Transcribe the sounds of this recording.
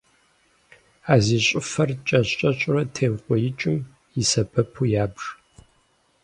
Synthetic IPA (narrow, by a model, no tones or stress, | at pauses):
aːziːɕʼɪfɐrt͡ʃʼɐɕʼɐɕʼʊrɐtʰeːwqʷʼɔjɪt͡ʃʼɪm | jɪsɐpʰɐpʰujaːbʐ